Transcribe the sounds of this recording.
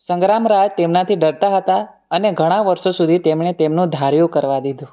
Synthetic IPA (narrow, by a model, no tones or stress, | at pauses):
sə̃ŋɡɾamɾajt̪emnat̪ʰiɖəɽt̪aɦət̪a | əneɡʱəɽ̃aʋəɾʃosud̪ʱit̪emɳet̪emnũd̪ʱaɾjũkəɾʋad̪id̪ʱũ